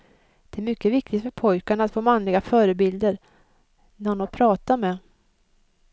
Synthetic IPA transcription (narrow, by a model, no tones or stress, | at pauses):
d̪̥ɛæɾmʏkːəvɪk̚t̪ɪt̪fœɾpʰɔjkaɳat̪foːmanlɪɡafœːɾəbɪld̪əɾ | næɾʊnɔpʰɾɑːt̪amɛ